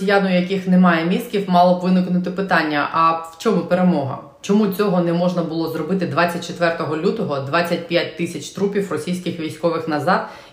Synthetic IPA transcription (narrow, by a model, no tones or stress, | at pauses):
sʲijanʊjjɐkixnɛmɑjɛmʲist̪̚kʲiwmɑlˠɔbʋɪnɪknʊt̪ɪpɪt̪ɑnʲːɐʔɐwt͡ʃɔmupeɾemɔɦɐ̰ | t͡ʃɔmut͡sʲɔɦɔnɛmɔʒnɐbʊlˠɔzɾɔbɪt̪ɪd̪ʋɑt͡sʲːɐt̚ʲt͡ʃet̪ʋɛrt̪ɔɦɔlʲut̪ɔɦɔd̪ʋɑt͡sʲːɐt̚ʲpʲjat̚ʲt̪ɪsʲɐt͡ʃt̪ɾupʲiwrɔsʲijsʲkɪxʋʲijsʲkɔʋɪxnɐzɑd̪